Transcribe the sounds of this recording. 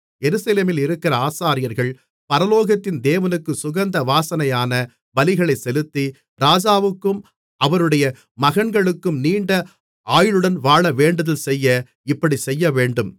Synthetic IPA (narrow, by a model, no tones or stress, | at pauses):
jɛɾɯsɐleːmɪlɪɾɯkːɪɾɐaːsaːɾɪjɐɾɣɐɭ | pɐɾɐloːɣɐt̪ːɪnd̪eːʋɐnɯkːɯsʊɣɐnd̪ɐʋaːsɐnɐjaːnɐ | bɐlɪɣɐɭɐɪsɛlɯt̪ːi | ɾaːd͡ʒaːʋɯkːɯm | ʔɐʋɐɾɯɽɐjɐ | mɐɣɐɳɡɐɭɯkːɯmniːɳɖɐ | aːjɪɭɯɽɐnʋaːɭɐʋeːɳɖɐðɐlsɛjːɐ | ɪpːɐɽisɛjːɐʋeːɳɖɯm